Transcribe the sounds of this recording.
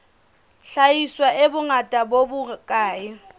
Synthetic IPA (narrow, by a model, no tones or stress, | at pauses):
ɬajiswaʔebʊŋatʼabobʊkʼaːjɪ